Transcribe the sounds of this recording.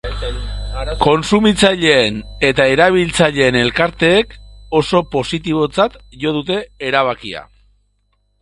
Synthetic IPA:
ko̞nsumit͡saʎe̞ːne̞t̪ae̞ɾaβ̞ilt͡saʎe̞ːne̞lkaɾt̪e̞ːko̞so̞po̞sit̪iβ̞o̞t͡sat̪ʝo̞ð̞ut̪e̞ːɾaβ̞akia̰

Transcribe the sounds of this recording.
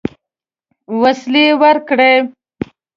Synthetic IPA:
waslewəɾkɽe

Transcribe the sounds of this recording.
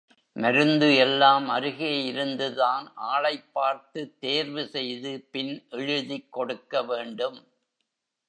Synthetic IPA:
mɐɾɯnd̪ɯɛlːaːmɐɾɯɣeːjɪɾɯnd̪ɯðaːnʔaːɭɐɪpːaːɾt̪ɯt̪ːeːɾʋɯsɛjðɯpɪnʔɛɻɯðikːɔɽɯkːɐʋeːɳɖɯm

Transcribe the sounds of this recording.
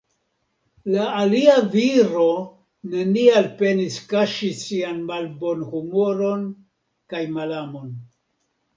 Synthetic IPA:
laːliaviɾo̞ | ne̞nialpe̞niskaʃisianmalbo̞nhumo̞ɾo̞n | kajmalamo̞n

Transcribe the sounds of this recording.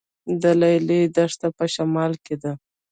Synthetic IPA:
d̪əlajled̪aʂt̪apəʃamɑlked̪a

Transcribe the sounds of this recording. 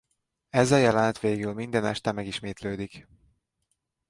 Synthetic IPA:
ɛzɒjɛlɛnt̪ʋeːɡylmind̪ɛnɛ̰ʃt̪ɛmɛɡiʃmeːt̪løːd̪ik

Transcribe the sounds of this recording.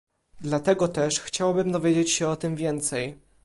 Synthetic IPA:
d̪lat̪ɛɡɔt̪ɛʂxt͡ɕawabɘmd̪ɔvʲjed͡ʑet͡ɕɕɛɔt̪ɘmvʲjɛnt̪sɛj

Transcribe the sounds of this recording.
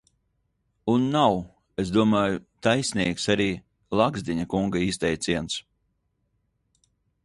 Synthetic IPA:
unːaw | es̬d̪uɔmaːjut̪ajsʲniɛksaɾiː | lˠaɡzd̪ʲiɲakuŋɡaist̪ɛjt̪siɛns

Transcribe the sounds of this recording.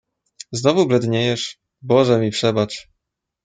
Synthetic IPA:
znɔvublɛd̪ɲejɛʂ | bɔʐɛmʲipʂɛbat͡ʂ

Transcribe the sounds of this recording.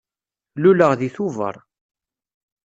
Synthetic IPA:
luləʁðiθuvə̰ɾˤ

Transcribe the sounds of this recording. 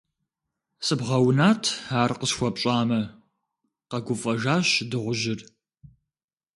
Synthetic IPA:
sʼɨbʁɐwnaːtʰaːrqəɕxʷɔpɕʼaːmɐ | qɐɡʷʊfʼɐʒaːɕdɨʁʷʊʒɪr

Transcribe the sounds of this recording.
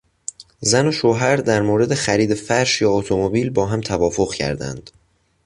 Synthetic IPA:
zæno̞ʃoːɦæɾd̪æɾmoːɾe̞d̪e̞xæɾiːd̪e̞fæɾʃjɒːot̪ʰomobiːlbɒːɦæmt̪ʰævɒːfo̞ɣcʰæ̰ɾd̪æ̰nd̪̥

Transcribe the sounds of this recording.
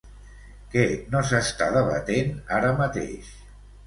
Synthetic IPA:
kɛnosəst̪aðəβə̰t̪enaɾəmət̪ḛʃ

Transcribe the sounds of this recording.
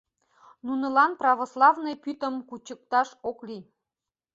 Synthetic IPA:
nunɤ̆lɑnprɑβoslˠɑvnɤjpyt̪ə̆mkut͡ɕə̆k̚t̪ɑʃokli

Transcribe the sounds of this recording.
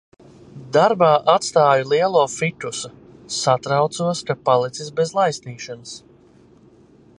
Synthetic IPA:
d̪aɾbaːʔat̪st̪aːjulˠiɛlˠoːfit̪usu | sat̪ɾawt̪suɔskapalˠit̪sisbɛzlˠajsniːʃanəs

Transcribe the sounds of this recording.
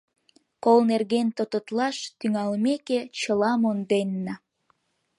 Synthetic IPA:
kolnerɣent̪ot̪ot̪lɑʃt̪yŋɑlmeket͡ɕəlɑmond̪enːɑ

